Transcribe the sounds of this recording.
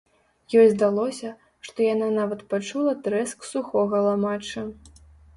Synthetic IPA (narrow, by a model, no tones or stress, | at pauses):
jɔjzd̪alˠɔsʲɐ | ʂt̪ɔjananavɐt̪pat͡ʂulˠɐt̪ɾɛsksuxɔɣɐlˠamat͡ʂɐ